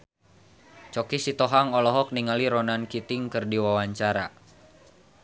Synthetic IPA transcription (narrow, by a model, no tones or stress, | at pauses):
t͡ʃɔkisit̪ɔɦaŋɔlɔɦɔk̚niŋaliɾɔnankit̪iŋkɨrdiwawaɲt͡ʃaɾa